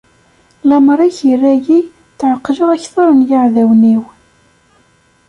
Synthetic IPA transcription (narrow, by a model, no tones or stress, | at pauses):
lɑmɾˤiçirːæji | θʕəqːʒəʁæçθɑɾˤənjaʕðæwniw